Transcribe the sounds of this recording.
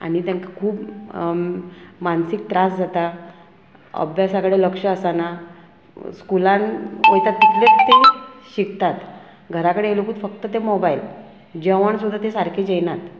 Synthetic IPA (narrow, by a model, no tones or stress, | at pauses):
a̰ɽit̪ãŋkakʰuːp | mansik̚t̪ɾasd͡zʱat̪a | ə̰bʱjasakəɽeləkʂəːsana | skulãnojt̪at̪ːit̪lett̪ːeɕikt̪at̪ | ɡʱəɾakəɽeelokuːt̪fək̚t̪ət̪emobajl | d͡ʑeʋəɳsud̪ʱːat̪esaɾkʰed͡ʑejnat̪